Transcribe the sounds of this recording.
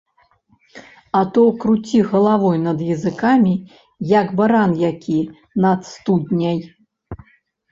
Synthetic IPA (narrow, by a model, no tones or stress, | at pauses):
ɐt̪ɔkɾut͡sʲiɣɐlˠavɔjnɐd̪jɐzɨkamʲi | jɐɡbaɾanjakʲi | nɐt̪st̪ud̪nʲɐj